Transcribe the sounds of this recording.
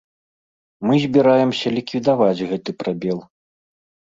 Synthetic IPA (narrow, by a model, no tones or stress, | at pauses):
mɨzʲbʲiɾajɛmsʲɐlʲikvʲid̪avad͡zʲɣɛt̪ɨpɾabʲɛlˠ